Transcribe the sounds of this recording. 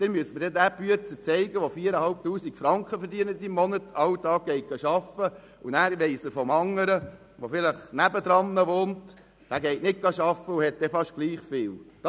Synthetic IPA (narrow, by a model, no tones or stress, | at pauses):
d̥̪ɛnmyəsməɾd̥ɛdæːpyət͡sət͡sɛɪɡəʋofiːəɾəhɑlp̚tuːsikfɾɑŋkχəfəɾdiənəd̪imːɔnət̪ɑwdɑːɡ̥ɛɪt̚ɡ̥ɑʃɑfə | unæːɾʋɛɪsəɾfɔmɑŋːəɾə | ʋofɪləχnæbəd̪ɾɑnːəʋoːnt | d̥æːɡɛɪtnɪt̚ɡ̥ɑʃɑfːəuhɛt̚d̥̪ɛfɑʃt̚ɡ̥liːχfɪːld̥ɑ